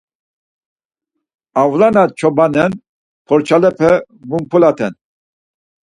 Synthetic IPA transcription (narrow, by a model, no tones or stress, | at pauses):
avlanat͡ʃʰɔbanɛn | pʰɔɾt͡ʃʰalɛpʰɛ | mumpʰulat̪ʰɛn